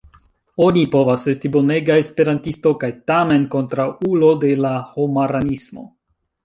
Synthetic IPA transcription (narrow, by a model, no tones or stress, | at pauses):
o̞nipo̞vase̞stibo̞neɡaespe̞ɾantisto̞kajtame̞nko̞ntɾawulo̞de̞laho̞maɾanismo̞̰